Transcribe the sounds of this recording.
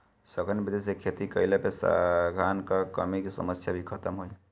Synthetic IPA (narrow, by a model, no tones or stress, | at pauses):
səɡənbʱid̪esekʰet̪ikəjlepesa̰ɡʱankəkəmikesə̰məsjabʱikʰət̪əmɦoj